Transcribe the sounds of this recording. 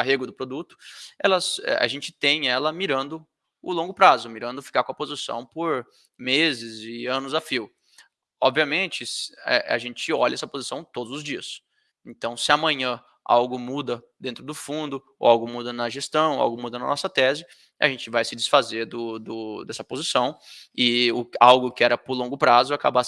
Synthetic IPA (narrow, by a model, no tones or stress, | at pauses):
aɦeɡʊd̪ʊpɾod̪ut̪ʊ̥ɛ̰lɐsɛ̰ʔa̰ʒẽnt͡ʃɪ̥t̪ẽj̃ɛlɐmiɾɐ̃nd̪ʊ | ʊlõŋɡʊpɾazʊmiɾɐ̃nd̪ʊfi̥kaɾkõɐpozɪsɐ̰̃w̃poɾ | mezɪzɪɐ̃nʊzafiw | ɔbviɐmẽnt͡ʃɪsɛ̰a̰ʒẽt͡ʃɪɔʎɛsɐpozisɐ̃w̃t̪od̪ʊzʊzd͡ʒiɐs | ẽnt̪ɐ̃w̃sɪɐmɐ̃ɲɐ̃ | a̰wɡʊmud̪ɐd̪ẽnt̪ɾʊd̪ʊfũnd̪ʊ | o̰awɡʊmud̪ɐnɐʒest̪ɐ̃w̃a̰wɡʊmud̪ɐnɐnɔsɐt̪ɛzɪ | a̰ʒẽnt͡ʃɪvajsɪd͡ʒɪsfazeɾd̪ʊd̪ʊd̪ɛsɐpozisɐ̃w̃ɪʊawɡʊkɪɛɾɐpʊɾlõŋɡʊpɾazʊaka̰ba